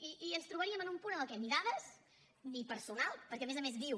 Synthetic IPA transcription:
iʔiənst̪ɾuβəɾiəmənumpunəəlˠkɛmiðaðəs | nipəɾsunalˠpəɾkɛəmezəmezðiw

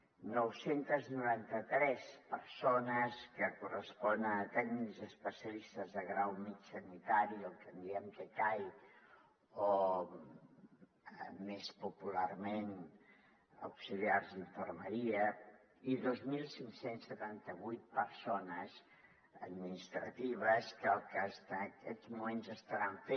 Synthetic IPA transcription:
nɔwsent̪əznuɾant̪ət̪ɾɛspəɾsonəskəkurəspɔnənət̪ɛɡnikzəspəsiəlist̪əzðəɣɾawmit͡ʃsənit̪aɾiolkənd̪iɛmt̪əkaj | o | mespupularmen | ə̰wksiliarziɱfərməɾiə | iðozmilˠsiŋsensət̪ant̪əβujt̪̚pəɾsonəz | ə̰d̪minist̪ɾə̰t̪iβ̞əskəlˠkəst̪aəkɛzmumenzəst̪əɾaɱfe

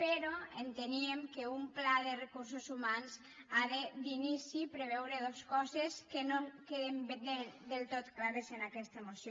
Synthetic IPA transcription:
peɾɔent̪eniemkeumplaðerekuɾsuzumanz | aðed̪inisipɾeβɛwɾeðoskɔzeskenoŋkeðembend̪end̪elˠt̪ot̪klaɾezenakɛst̪əemosjo

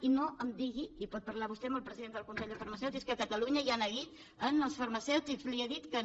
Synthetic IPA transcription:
inoʔəmd̪iɣiipɔt̪̚pəɾlaβust̪eəmbəlˠpɾəziðend̪əlkunseʎʲd̪əfəɾməsɛwt̪ikskəkət̪əluɲəianəɣit̪ | ənəlˠsfəɾməsɛwt̪ikzlieðit̪kə

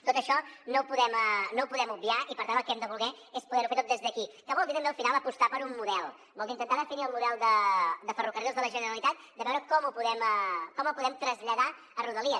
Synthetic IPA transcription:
t̪ot̪əʃɔnopuðɛmənowpuðɛmub̚iaʔipəɾt̪anəlˠkɛmd̪əβulˠɣɛ | espuðɛɾufeɾt̪ot̪ezðəkikəβɔld̪it̪əmbeəlˠfinalˠəpust̪apəɾummuðɛlˠ | bɔlˠd̪int̪ənt̪aðəfiniəlˠmuðɛlˠd̪əd̪əfərukəriozðələʒənəɾəlit̪at̪̚ | d̪əβɛwɾəkɔmupuðɛməkɔməpuðɛmt̪ɾəzʎəða | əruðəliə

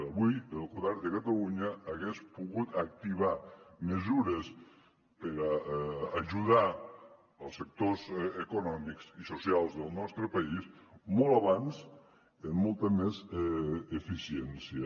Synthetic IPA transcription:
aβujəlˠɣuðaɾd̪əkat̪aluɲaːɣespuɣut̪ak̚t̪iβ̞aməzuɾəs | pəɾaː | ʒuða | əlˠsːək̚t̪ozekunɔmikzisusjalˠzðəlˠnɔst̪ɾəpaismɔlˠaβans | əmːɔlˠt̪əmez | efisjensjə

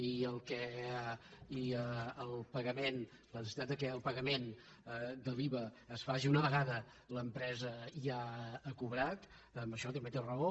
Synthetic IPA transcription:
iəlˠkɛ | iəəlˠpəɣəmen | lənəsit̪at̪d̪əkɛəlˠpəɣəmen | d̪əliβəːsfaʒiunəβəɣaðə | ləmpɾɛzəiaːkuβɾat̪ | əmbəʃɔt̪̬əmbet̪erəo

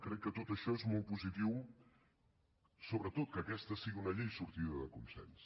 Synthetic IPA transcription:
kɾɛkːət̪ot̪əʃɔezmolˠt̪̚puzit̪iw | soβɾət̪ot̪̚kəːkɛst̪əsiɣiunəʎejsuɾt̪iðəðəkunsɛ̰ns

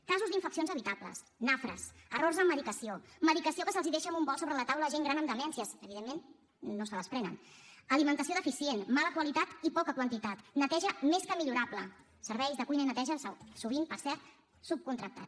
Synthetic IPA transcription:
kazuzd̪iɱfəksionzəβit̪aplə̰s | nafɾə̰sərorzðəməðikəsioməðikəsiokəsəlˠziðɛʃəmbumbɔlˠsoβɾələt̪awləʒeŋɡɾanəmd̪əlɛnsiəsəβiðemːenː | osələspɾɛnə̰nəlimənt̪əsioðəfisienmaləkwəlit̪at̪ipɔkəkwənt̪it̪at̪nət̪ɛʒəmeskəmiʎuɾaplə | səɾβɛjzðəkujnəinət̪ɛʒəssuβ̞impəɾsɛɾt̪̚ | sup̚kunt̪ɾək̚t̪a̰t̪

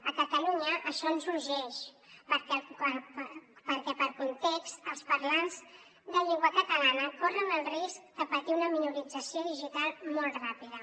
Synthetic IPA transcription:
əkət̪əluɲəʔəʃɔənzuɾʒɛʃ | pəɾkɛppəɾkɛpəɾkunt̪ɛkst̪əlˠspəɾlanz | d̪əʎɛŋɡwəkət̪əlanəkorənəlˠrisk̚d̪̥əpət̪iunəminuɾid͡zəsioðiʒit̪alˠmɔlˠt̪rapiðə

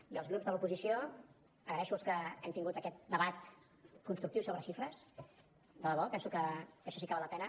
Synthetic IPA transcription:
iəlˠzɣɾupzðəlupuzisio | əɣɾəɛʃulˠskəɛmt̪iŋɡut̪əkɛt̪̚d̪əβat̪ | kunst̪ɾuk̚t̪iwsoβɾəʃifɾəs | d̪ələβɔpɛnsukəkəʃɔsikəβaləpɛnə

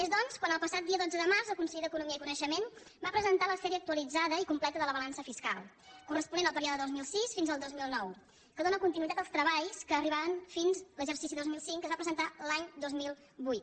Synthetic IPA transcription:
ezðɔnskwanəlˠpəsat̪̚d̪iəðod͡zəðəmarzəkunsəʎid̪əkunumiəikunəʃəmen | bapɾəzənt̪aləsfɛɾiək̚t̪uəlid͡zaðəikumplɛt̪əðələβəlansəfiska̰lˠ | kurəspunenəlˠpəɾiɔðəðozmilˠsisfinzəlˠd̪ozmilˠnɔw | kəðonəkunt̪inuit̪at̪əlˠst̪ɾəβaʎskəːriβaβənfinzləʒəɾsis̬iðozmilˠsiŋkːəzβapɾəzənt̪alaɲd̪ozmilˠ | bujt̪

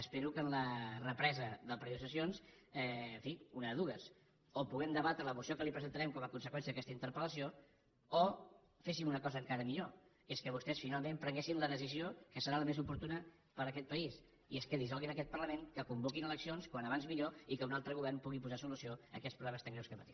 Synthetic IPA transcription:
əspeɾukənlərəpɾɛzəðəpɾəusəs̬ions | ɛɱfiunəðuɣəs | opuɣɛmd̪əβat̪ɾələmusiokəlipɾəzənt̪əɾɛmkɔməkunsəkwɛns̬əðəkɛst̪əint̪əɾpələsio | o | fesimunəkɔzəːŋkaɾəmiʎo | eskəβust̪ɛsfinalˠmẽmpɾəŋɡesinləðəsiziokəsəɾaləmezupuɾt̪unə | pəɾəkɛt̪̚pəis | ieskəðizɔlˠɣinəkɛt̪̚pərləmeŋkəkumbokinələksionskwanəβ̞anzmiʎoikəunalˠt̪ɾəɣ̞uβɛɾnpuɣipuzasulusioə̰kɛt̪spɾuβlɛməst̪aŋɡɾɛwskəpət̪i

